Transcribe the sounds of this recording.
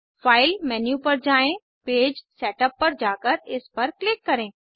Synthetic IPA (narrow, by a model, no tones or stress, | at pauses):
faːɪlmɛːnjupɐɾd͡ʒaːẽ | peːd͡ʒsɛːʈəpːɐɾd͡ʒaːkəɾɪspɐɾklɪkːɐɾẽː